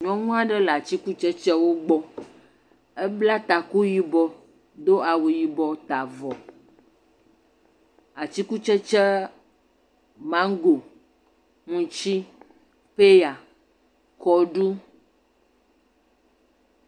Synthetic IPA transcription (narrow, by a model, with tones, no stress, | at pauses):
ɲɔ̃˦ŋũ˦a˨ɖɛ˦la˨t͡ɕi˦ku˦t͡ʃɛ˦t͡ʃɛ˦wo˦ɡ͡bɔ˦ | ɛ˦bla˦t̪a˨ku˦ji˦bɔ˦ | d̪o˦a˨wu˨ji˨bɔ˨t̪a˨vɔ˨ | a˨t͡ɕi˦ku˦t͡ʃɛ˦t͡ʃɛ˦ | mã˦ŋ˦ɡo˨ | ŋũ˨t͡ʃi˦ | pe˦ja˨ | kɔ˦ɖu˦